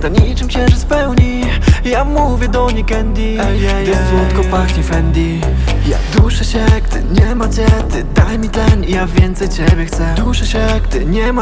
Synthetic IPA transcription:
t̪ɔɲit͡ʂɨmɕɛɾɛspɛwɲi | jamuvʲjɛd̪ɔɲikɛnd̪ʲi | ɪzwɔt̪kɔpakt͡ɕɛfɛnd̪i | ja̰d̪uʂɛɕɛɡt̪ɪ̰ɲɛmat͡ɕɛt̪ɪd̪ajmʲit̪ɛnijavʲjɛnt̪sɛjt͡ɕɛbʲjɛxt̪sɛd̪uʂɛɕɛɡt̪ɪɲɛma

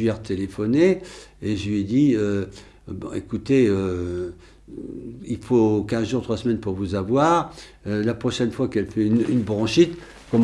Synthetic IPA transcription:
ɛʁt̪elefɔneeʒəlɥɛd̪iø | bɔ̰̃ḛkut̪eø | ilfokʲɛ̃zʒuʁt̪χwasəmɛnpuʁvuzavwaːʁølapχɔʃɛnfwakɛlfɛynynbʁɑ̃ʃit̪ | kɔ

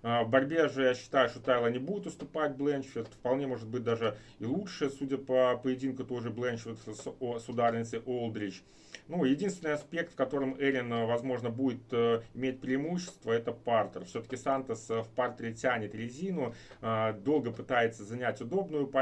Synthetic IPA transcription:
vbɐɾʲbʲe̞ʐɨjaɕːɪ̥t̪ajʊʂt̪ot̪aɪlˠənʲɪbudʲɪt̪ʊst̪ʊpat̚ʲblˠɛnt͡ʃfʲɪrt̪fpɐlˠnʲe̞mo̞ʐɨt̪bɨt̚ʲd̪aʐɨ | ɪlˠutʂɨjəsudʲəpəpəjɪdʲinkʊt̪o̞jʐɨblˠɛnt͡ɕfʲɪt̪ssʊd̪arʲnʲɪt̪sʲəʔolˠd̪ɾʲɪt͡ɕ | nujɪdʲinst̪vʲɪnɨjɐspʲe̞k̚t̪fkɐt̪o̞ɾɨmɛɾʲɪnvɐzmo̞ʐnəbudʲɪt̪ːɪmʲet̚ʲpɾʲɪɪmuɕːɪ̥st̪vəɛt̪əpart̪ərfsʲot̪ə̥kʲɪsant̪əsfpart̪ɾʲɪtʲænʲɪt̪ɾʲɪzʲinʊ | d̪o̞lˠɡəpɨt̪ajɪt̪səzɐnʲætʲʊd̪o̞bnʊjʊpɐ

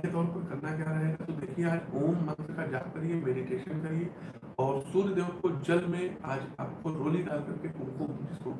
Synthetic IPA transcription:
et̪ɔːɾpɐɾɡʱɐɾnakjaːɾɐɦeɡat̪od̪eːkʰieaːd͡ʒoːmmɐ̃nt̪ɾkad͡ʒaːkɐɾiemeːɖiʈeːʃənkɐɾie | ɔːɾsʊɾd̪eːʋət̪kod͡ʒɐlmẽaːd͡ʒa̰ːpkoɾoːliɖaːlkɐɾkekʊ̃nkod͡ʒɪskoː

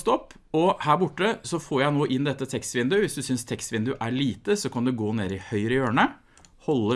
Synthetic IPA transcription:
st̪ɔpː | ɔhæːɾbʊʈːəsɔfoːɾjæɪnoːʔɪnːd̪ɛt̪ːət̪ʰɛkst̪ʋɪnd̪ʉʋɪsd̪ʉsʏnst̪ʰɛkst̪ʋɪnd̪ʉʔæɭiːt̪əsɔkʰɑnd̪ʉɡoːneːɾɪhœʏɾɪjøːɳə | hɔlːə

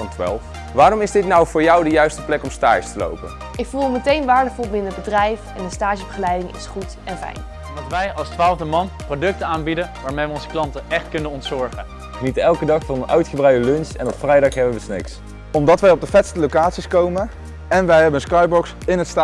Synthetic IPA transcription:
ɑntʋa̰ːlˠf | ʋaːɾɔmɪzdɪtnɑwvʊːɹjɑwdəjœɥstəplɛkɔmstaːəstəlo̰wpə̰n | ʔɪkfulˠəmətejnʋaːɹdəvɔlˠbɪnənəbədrɛjfɛndəstaːʒəbəχəlɛjdɪŋɪ̰sχut | ɛnfɛ̰jn | mdɑtʋɛjɑlˠstʋaːlˠvdəmɑnprodɵk̚təaːnbidəʋaːɹmejʋəɔnzəklɑntəʔɛχtkɵnənɔntsɔɹχən | χənitəɛlˠkədɑχfɑnənʔœɥtχəbrœɥdəlɵnsɛnɔpfrɛjdɑχɦɛbəʋəsnɪ̰ks | ɔmdɑtʋɛjɔb̚dəfɛtstəlowkaːtsiskowmə | ɛnʋɛjɦɛbənənskɑjbɔks | ɪnɦətsta

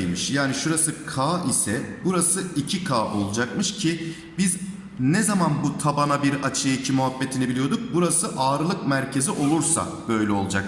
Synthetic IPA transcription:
mɯʃjaːniʃuɾasɯkʰaːisɛbuɾasɯicʰikʰaːʔo̞̰lˠud͡ʒakmɯʃcʰi | biz | nɛzamanbut̪ʰabanabiɾat͡ʃʰɯjaicʰimuɦabːe̞t̪ʰinibilʲijo̞d̪uk̚buɾasɯʔaːɾɯlˠɯk̚mæɾcʰe̞ziʔo̞lˠuɾsa̰ | b̥ø̞jlʲɛo̞lˠud͡ʒak̚

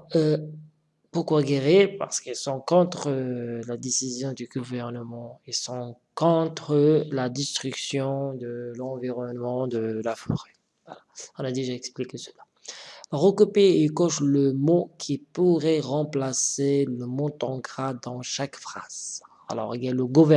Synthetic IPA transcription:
puʁkwaɡeʁipa̰ʁsə̥kɛlsɔ̃kɔ̃t̪χəlad̪esizjɔ̃d̪yɡuvɛʁnəmɑ̃esɔ̃ | kɔ̃t̪χəlad̪ɛst̪χyksjɔ̃d̪əlɑ̃viʁɔnmɑ̃d̪əlafɔ̰ʁɛ | vwa̰laɔ̃nad̪eʒaɛksplikesəla | ʁəkupeːkɔʃləmokʲʰipuʁɛʁɑ̃plaseləmɔ̃t̪ɑ̃ɡʁad̪ɑ̃ʃakfχaz̥ | a̰lɔ̰ʁɡɛləɡuvɛ

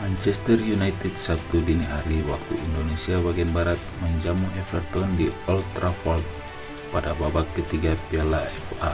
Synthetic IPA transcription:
mant͡ʃɛst̪ɛrjunajt̪ɛdsap̚t̪udiniɦaɾiwak̚t̪ṵʔindonɛsiabaɡiɛnbaɾat̪̚məɲd͡ʒamuɛfɛrt̪ɔndiɔlt̪ɾafɔlt | padababakːət̪iɡapialaɛfa

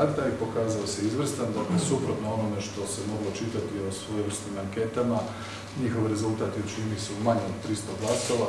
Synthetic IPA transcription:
ad̪aipo̞kaːzaose̞izʋr̩st̪and̪akesupɾot̪noonome̞ʃt̪o̞se̞mo̞ɡlo̞t͡ʃit̪at̪io̞sʋojeʋr̩st̪imaŋke̞t̪ama | ɲixo̞ʋɾe̞zulˠt̪aːt̪jeut͡ʃininiseumaɲeot̪ɾist̪oɡlask̪oʋa

